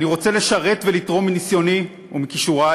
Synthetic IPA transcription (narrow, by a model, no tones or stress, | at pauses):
niʁo̞t͡se̞le̞ʃaʁe̞t̪ve̞lit̪ʁo̞minisjo̞ni | umikiʃuʁa